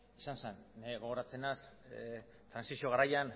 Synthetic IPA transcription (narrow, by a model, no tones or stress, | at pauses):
isanseneɣo̞ɣ̞oɾat͡se̞nas | t̪ɾansisio̞ɣaɾajan